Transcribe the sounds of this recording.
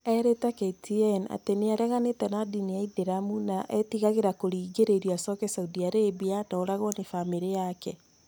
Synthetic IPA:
ɛɾetaketiɛna̰teneaɾɛɣanetɛnadiniaideɾamunaʔɛtiɣaɣeɾakoɾiːɡeɾeɾjoasɔkɛsauðiaɾeβianaoɾaɣɔnefamiɾejakɛ

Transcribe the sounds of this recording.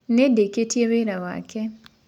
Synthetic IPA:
nedeketjeweɾawa̰kʰɛ

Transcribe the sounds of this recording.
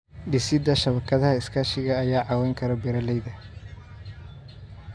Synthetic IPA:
ɖɪsɪd̪ɐʃɐβɐkʰɐðɐhɐɪskʰaːʃɪɣɐːjaːʕɑːwɛjŋkʰɐɾɐbɛɾɐlɛjðɐ

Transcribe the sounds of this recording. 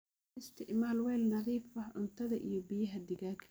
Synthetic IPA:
ɪst̪ʰɪʔmaːlwɛːlnɑðiːfɐʊnt̪ʰɐðɐʔḭjɞbɪjɐɦɐd̪ɪɣaːkʰ

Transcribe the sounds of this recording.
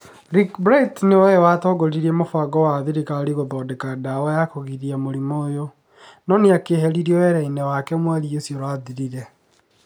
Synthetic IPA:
ɾikbɾaitnewawatɔːɡoɾiɾiɛmofwaɡɔwaðiɾikaɾiɣoðɔdekadawajakoɣiɾiamoɾimoːjo | nɔneakeɦɛɾiɾiɔwɛɾɛinɛwakɛmwaɾiosjoɾwaðiɾiɾɛ

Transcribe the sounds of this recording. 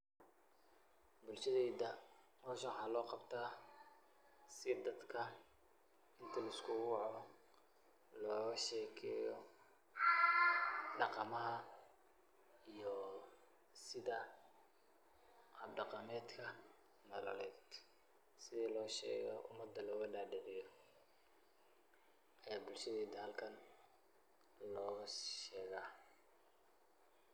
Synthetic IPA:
bʊlʃɐðɛːd̪ɐ | mɔːʃɐwħɑːlɔːqɑbt̪ʰaː | sɪd̪ɐd̪kʰɐ | ɪnt̪ʰɐlɐɪskʰʊwwɑʕɔ | lɔːʃɛːkʰɛːjɔ | ɖɑqɑmɐɦɐ | ijɔ | sɪðɐ | ʔɐbɖɑqɑmɛːd̪kʰɐ | nɐlɐ̰lɛjd̪ | sɪðiːlɔːʃɛ̰ːɣɔ̰ʔʊ̰mɐd̪ːɐlɔːɣɐɖɑɖɛʕɪjɔ | ʔɐjaːbʊlʃɐðɛːd̪ɐhɐlkʰɐn | lɔːɣʃɛːɣaː

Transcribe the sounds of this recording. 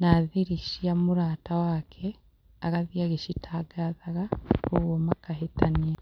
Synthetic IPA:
naðiɾiʃiamuɾaːtawaːkʰɛ | a̰ɣaðjaɣeʃitʰaːɡaðaɣaoɣwɔmakaɦetania

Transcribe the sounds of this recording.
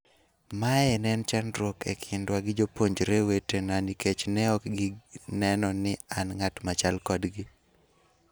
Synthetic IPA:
maɛnɛnt͡ʃandɾokḛkʰɪndwaɡɪd͡ʒopoɲd͡ʒɾewetenaniket͡ʃnɛɔkɡɪnɛnɔnɪanŋatmat͡ʃalkɔdɡɪ

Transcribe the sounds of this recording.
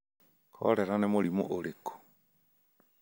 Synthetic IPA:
kʰɔ̰ɾɛɾanɛmolimo̰ʔoɾekʰo̥

